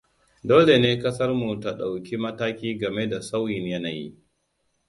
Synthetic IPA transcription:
doː˦le˨neː˦kɐ˦sɐ˦rmu˨ta˨ɗa˨wkʲi˦mɐ˦taː˦kʲiː˦ɡɐ˨me˦da˨sa˦wjɪ˨ɲjɐ˦naː˨jḭ˦

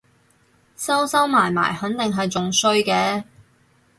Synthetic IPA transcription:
sɐ˥wsɐ˥wmaː˨˩jma̰ː˨˩jhɐ˨˥nt̪ɪ˨ŋɦɐ˨jt͡sʊ˨ŋsɵ˧ɥkɛː˧

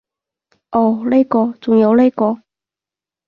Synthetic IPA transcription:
ʔo˥˨˩le˥˧kɔ˥˧˩t͡sʊ˨˩ŋjo˨˧˦wle˥˧ɪkɔ˨˧

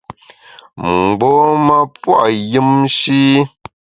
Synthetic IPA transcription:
m̩˨ɡ͡bɔ˦ma˦pwa̰˨ʔjɨ˦mʃi˦

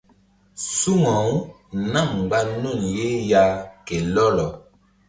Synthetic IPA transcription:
su˦ŋã˨u˦ | na˦˨m˨ɡ͡ba˦no˦˨nje˦ja˦ke˨lɔ˦lɔ˨

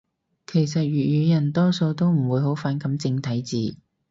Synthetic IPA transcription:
kʰe˨˩js̬ɐ˨t̚ɥyː˨jyː˨˧jɐ˨˩nt̪ɔː˥so˧wt̪o˥wm̩˨˩wuː˨˧jɦo˨˥wfaː˨˥nkɐ˨˥mt͡sɪ˧ŋt̪ʰɐ˨˥jt͡siː˨˧

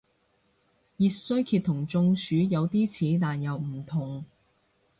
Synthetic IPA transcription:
jiː˧sɵ˥ɥkʰiː˧t̪ʰːʊ˨˩ŋt͡sʊ˧ŋsʰyː˨˧˥jɐ˨˧wt̪iː˥t͡sʰiː˨˥t̪aː˨njɐ˨˧wm̩˨˩t̪ʰʊ˨˩ŋ

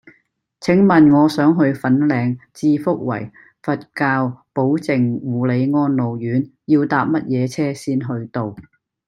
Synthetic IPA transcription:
t͡sʰɪ˨˥ŋmɐ˨nŋɔː˨˧sœː˨˥ŋɦɵ˧ɥfɐ˨˥nlɛː˨˧ŋt͡siː˧fʊ˥k̚wɐ̰˨˩j | fɐ˨t̚kaː˧wpo˨˥wt͡sɪ˨˩ŋwuː˨˩le˨˧jŋɔː˥nlo˨wjyː˨˥njiː˧wt̪aː˧p̚mɐ˥t̚jɛː˨˧t͡sʰɛː˥siː˥nɦɵ˧ɥt̪o˨w

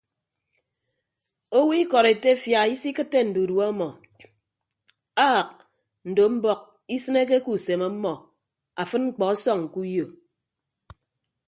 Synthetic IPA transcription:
o˦wi˦kɔ˨ɾe˨te˦fja˨i˦si˦kɨ˦tːe˦n̩˨du˨dwɔ˦mɔ˨ | a˦˨k̚ | n̩˨do˨m̩˦bɔ˦k̚ | i˦sɨ˦ne˦k̬e˦ku˨se˨ma˦mːɔ˨ | a˨fɨ˦n̚ŋ͡m̩˦k͡pɔ˨a˦sɔ˦˨ŋŋ̩˨ku˦jo˨

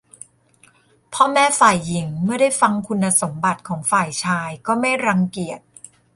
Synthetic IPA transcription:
pʰɔː˥˩mɛː˥˩faː˨˩jːi˩˦ŋmɯ˥˩ɐda˥˩jfa˧ŋkʰu˧nːa˧so˩˦mba˨˩t̪̚kʰɔː˩˦ŋfaː˨˩jt͡ɕʰaː˧jkɔː˥˩ma˥˩jɾa˧ŋki˨˩ət̪̚

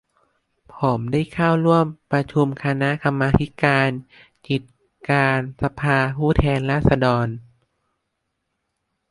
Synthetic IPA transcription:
pʰo˩˦mdaː˥˩jkʰaː˥˩wɾu˥˩əmpɾa˧t͡ɕʰu˧mkʰa˧na˦˥ʔka˧mːaː˧t̪ʰi˦˥kaː˧n | ki˨˩t̪̚ | kaː˧nsa˧pʰaː˧pʰuː˥˩t̪ʰɛː˧nɾaː˥˩t̪̚sa˧dɔː˧n

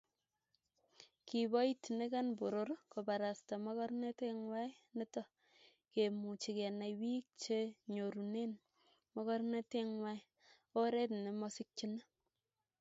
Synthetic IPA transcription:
ki˨bɔ˦i˦tne˦ka˦nbo˨ɾo˨ɾko˨ba˨ɾa˨sta˨mɔ˦kɔ˦rne˦te˦ŋwa˦j | ne˦tɔ˦ | ke˨mu˨t͡ʃi˨ke˨na˨jwi˦k̚t͡ʃe˦ɲo˨ɾu˨ne˦n | mɔ˦kɔ˦ɾne˦te˦ŋwa˦j | o˦ɾe˦tne˨mɔ˦si˦k̚t͡ʃi˦na˦

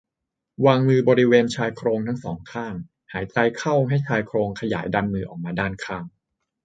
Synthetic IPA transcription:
waː˧ŋmɯː˧bɔː˧ɾi˦˥weː˧nt͡ɕʰaː˧jkʰɾoː˧ŋt̪ʰa˥˩ŋsɔː˩˦ŋkʰaː˥˩ŋ | haː˩˦jt͡ɕa˧jkʰa˥˩wɦa˥˩jt͡ɕʰaː˧jkʰɾoː˧ŋkʰa˧ja̰ː˩˦jda˧nmɯː˧ʔɔː˨˩k̚maː˧daː˥˩nkʰaː˥˩ŋ

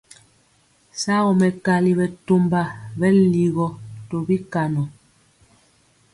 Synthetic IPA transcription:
sa˦ɣɔ˨mɛ˨ka˨li˨βɛ˨to˨mba˨bɛ˦li˨ɣɔ˨tɔ˨bi˦ka˨nɔ˨

